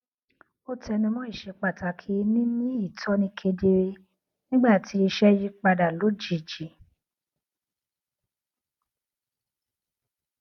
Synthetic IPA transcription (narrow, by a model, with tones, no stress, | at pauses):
o˦tɛ˧nĩ˧mɔ̃˦i˦˨ʃɛ˧k͡pa˨ta˨kʰi˨˧˦nĩ˦nĩ˦i˦˨tʰɔ˨˦nĩ˧kʰe˧de˧ɾe˧ | nĩ˦ɡ͡ba˦˨tʰi˨˦i˧ʃɛ˦ji˦k͡pa˧da˨lo˨˦d͡ʒi˨d͡ʒi˨